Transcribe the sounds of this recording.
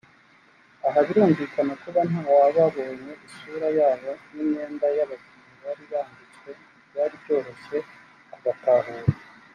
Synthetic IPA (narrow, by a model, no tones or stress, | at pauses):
aɦaβiɾuːɱviːkanakuβanɦaːwaβaβo̞ːɲe̞ʔisuːɾajaːβo̞niɲɲe̞ːndajaβazimajaɾiβahaɾit͡swe̞ | jaɾibɟo̞ːɾo̞se̞ | aβataːɦuɾe